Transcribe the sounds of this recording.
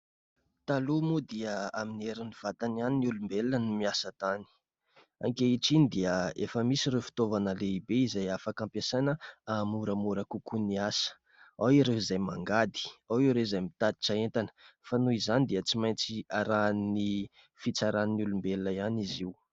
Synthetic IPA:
t̪alumud̪iəaminieɾiniv̥at̪ananinulumbelnənimiasət̪ani̥ | a̰ŋkeiʈ͡ʂinid̪iəefəmisiɾewfi̥t̪ovanəleibeizajafakampjasanəamuɾəmuɾəkukuniasə̥ | awiɾeizajma̰ŋɡad̪i̥awiɾezajmit̪ad̪i̥ʈ͡ʂaent̪anə̥fanuizanid̪iət͡simajnt͡siaɾanni | fit͡saɾannulumbelnaianiziw

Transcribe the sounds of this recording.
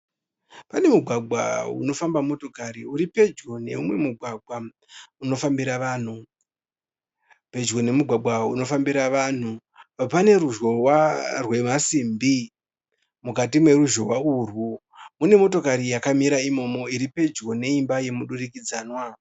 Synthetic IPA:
pane̞muɡʱwaɡ͡bwa̰ṵno̞fambamo̞to̞kaɾiuɾipe̞d͡ʒɡone̞̰umwe̞muɡʱwaɡwa | uno̞fambiɾaʋaːn̤u | pe̞d͡ʒɡo̞ne̞muɡʱwaɡ͡bʱwauno̞fambiɾaʋan̤u | papane̞ɾuʒɣo̞warwe̞masimbi | mukatimwe̞ruʒo̞ɦwaurwu | mune̞mo̞to̞kaɾijakamiɾaimo̞mo̞iɾipe̞d͡ʒɡo̞ne̞imbaje̞muɗurikid͡zaːnwa

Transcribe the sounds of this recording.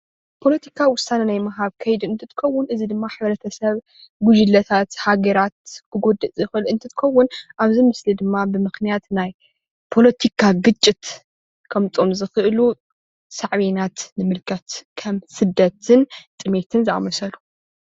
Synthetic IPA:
pʰo̞lɐt̪ʰikʰawʊsanɐnajmɐɦaβkʰɐjd̪ɨɨnt̪ʰɨt̪ʰɨ̥kʰɐwːʊnʔɨzid̪ɨmːaħaβɐɾɐt̪ʰɐsɐβ | ɡud͡ʒɨlːɐt̪ʰat̪haɡɐɾat̪̚kʰɨɡo̞d̪ɨt͡sʼɨxɨlɨnt̪ʰɨt̪ʰɨ̥kʰɐwːʊnʔaβzimɨslid̪ɨmːabɨmɨxnijat̪naj | pʰo̞lɐt̪ʰikʰaɡɨt͡ʃʼːɪt̪ | kʰɐmt͡s̪ʼomzɨxɨʔlu | saʕβenat̪nɨmɨlkʰɐt̪kʰɐmsɨd̪ːɐt̪ʰɨnt̪ʼɨme̞t̪ʰɨnzɨa̰mɐsɐlu

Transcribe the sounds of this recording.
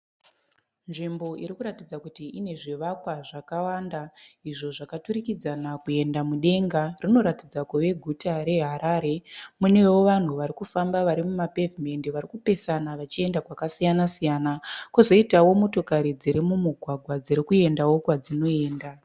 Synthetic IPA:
nʐimbo̞iɾikuɾatid͡zakutiʔine̞ʐiʋakwaʐakawandaiʐo̞ʐakatuɾikid͡zanakue̞ndamuɗe̞ŋɡarino̞ɾatid͡zakuʋe̞ɡʱutaɾe̞ɦaɾaːɾe̞mune̞wo̞ʋan̤uʋaɾikufambaʋaɾimumapevime̞ndiʋaɾikupe̞sanaʋat͡ʃie̞ndakwakasijanasijanakuzo̞itawo̞moto̞kaɾid͡ziɾimumuɡʱwaɡʱwad͡ziɾikue̞ndawo̞kwad͡zino̞e̞ːnda

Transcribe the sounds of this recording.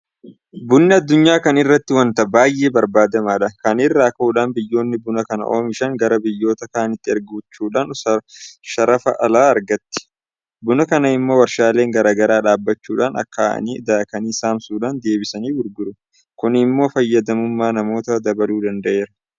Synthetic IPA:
bʊnːɪɐd̪ːʊɲːaːkɐnɪrːɐt̪ːɪwɐnt̪ɐbaːjʔe̞ːbɐɾbaːd̪ɐmaːᶑɐkɐnɪrːaːkɐhuːᶑaːnbɪjːo̞ːnːɪbʊnɐkɐnɐ̰ʔoːmɪʃɐŋɡɐɾɐbɪjːo̞ːt̪ɐkaːnɪt̪ːɪɐɾɡuːt͡ʃːuːᶑaːnɐʃɐɾɐfɐʔɐlaːɐɾɡɐt̪ːɪ̥ | bʊnɐkɐnɐɪmːo̞ːwɐɾʃaːle̞ːŋɡɐɾaːɡɐɾaːᶑaːbːɐt͡ʃːuːᶑaːnɐ̰kːaːɐ̰niːɪd̪aːkɐniːsaːmsuːᶑaːnd̪e̞ːbɪsɐniːwʊɾɡʊɾʊ | kʊnɪmːo̞ːfɐjːɐd̪ɐmʊmːaːnɐmo̞ːt̪ɐd̪ɐbɐluːd̪ɐnd̪ɐʔe̞ːɾɐ

